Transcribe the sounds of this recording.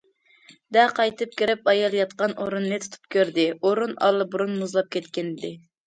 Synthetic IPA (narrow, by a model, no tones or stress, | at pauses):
d̪æqʰɑjt̪ɨp̚kʲiɾɪpɑjɑlˠjɑt̪qɑnʔoɾunːɨt̪ʰu̥t̪ʰu̥p̚kʲʰøɾd̪ɪoɾunɑ̰lˠːɨbuɾunmuzlˠɑp̚kʲʰɛt̪kʲɪnɪd̪ɪ